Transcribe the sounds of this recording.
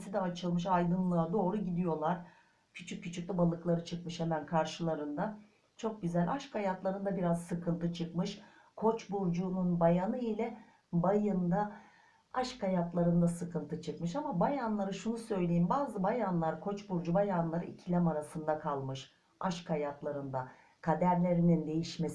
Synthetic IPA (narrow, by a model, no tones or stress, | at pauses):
sid̪ɛːt͡ʃʰɯlˠmɯʃ̬ajd̪ɯnlˠɯad̪o̞ːɾuɟid̪ijo̞lˠaɾ̥ | cʰyt͡ʃʰyc̚ʲːyt͡ʃʰyc̚t̪ʲɛbalˠɯklˠaɾɯt͡ʃʰɯkmɯʃhemænkʰaɾʃɯlˠaɾɯnd̪a | t͡ʃʰo̞k̚ɟyzælʲʔaʃkʰajat̪lˠaɾɯnd̪abiɾazsɯkʰɯnt̪ʰɯt͡ʃʰɯkmɯʃ | kʰo̞t͡ʃbuɾd͡ʒununbajanɯilʲɛ | bajɯnd̪a | aʃkʰajat̪lˠaɾɯnd̪asɯkʰɯnt̪ʰɯt͡ʃʰɯkmɯʃamabajanlˠaɾɯʃunusø̞jlʲe̞jimbaːzɯbajanlˠaɾkʰo̞t͡ʃbuɾd͡ʒubajanlˠaɾɯ̰icʰilʲamaɾasɯnd̪akʰalˠmɯʃ | aʃkʰajat̪lˠaɾɯnd̪a | kʰad̪æɾlʲe̞ɾinind̪e̞jiʃmes